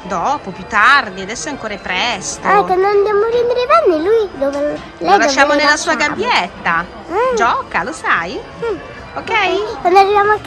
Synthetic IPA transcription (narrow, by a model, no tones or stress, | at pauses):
d̪ɔpopjut̪ːard̪iad̪ɛsːoɛaŋkoːɾepɾɛst̪oɛkwand̪oand̪jamoɾɛnd̪eɾebɛnːeluid̪ɔve | lɛlaʃːaːmonelːasuːaɡabːjɛt̪ːa | d͡ʒɔkalosaj | okːɛjkwand̪oarːivjaːmoakː